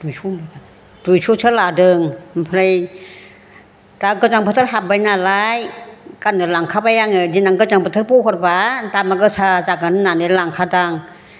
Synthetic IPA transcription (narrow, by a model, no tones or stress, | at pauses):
dujsʰumi | dujsʰuːsʰɯlaːdɯŋpʰlaj | t̪akət͡ʃaŋpʰt̪ʰːt̚ɦap̚bajnaːlaːjkanːilaŋkʰapajaŋadinaŋkɯt͡ʃaŋpʰt̪ʰːt̚puːkʰɔt̚pat̪aːmːakəsʰaːt͡ʃaːkːannːaːnilaŋkʰaːtaŋ